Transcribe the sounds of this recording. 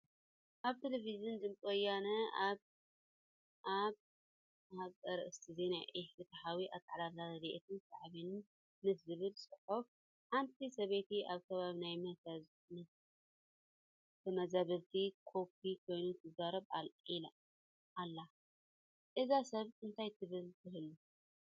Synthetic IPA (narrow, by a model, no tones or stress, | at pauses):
ʔaβt̪ʰeleviziund̪ɨmkʼojanɐaβ | ʔaβ | haβkʼɐɾɐʔɨst̪ʰɨzinajʔeħfɨt̪ʰɐħawiʔa̰t̪ʼaʕlalalɾiʔet̪ʰɨnsaʕβinɨn | mɨszɨβɨlsʼɨħof | ħant̪ʰisɐβet̪ʰiʔaβkʰɐβaβinajmɐt̪a | mɨ | t̪ʰːɐmɐzaβɐɾt̪ʰikʰo̞p̚ʰikʰo̞jnut̪ʰɨzaɾɐβa̰lil | ʔalːa | ɨzasɐβɨnt̪ʰajt̪ʰɨβɨlt̪ʰɨhɨlu